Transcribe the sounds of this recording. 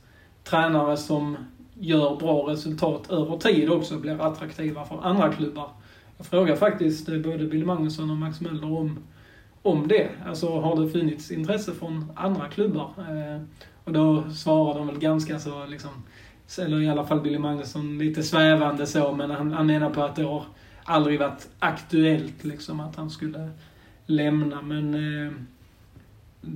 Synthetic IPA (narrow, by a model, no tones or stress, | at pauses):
t̪ʰɾɛːnaɾəsɔmjœːɾbɾɑːɾɛsɵlt̪ʰɑːt̪ʰøːvəʈʰiːd̪ɔksɔblɪːɾat̪ɾakt̪ʰiːvafœɾand̪ɾakʰlɵbːaɾ | jɑːɡ̥fɾoːɡaɾfak̚t̪ɪst̪boːd̪əbɪlɪmaŋnɵsɔnɔmaksmɛlːəɾɔm | ɔmd̪ɛalsɔɦaɖɛfɵnːɪt̪sɪnt̪ʰɾɛsːəfɾɔna̰nd̪ɾakʰlɵbːaɾ | ɔd̪ɔsvɑːɾad̪əɔmvɛlɡanskasolɪksɔm | ɛlːəɾɪalːafalːbɪlːɪmaŋnʉsɔnliːt̪əsvæːvand̪əsoːmɛnhanhanmeːnadpʰɔat̪̚d̪ɛhɑɾ | ʔald̪ɾɪɡvaʈakt̪ɵɛlt̪lɪksɔmat̪hanskɵlːə | lɛmnamɛn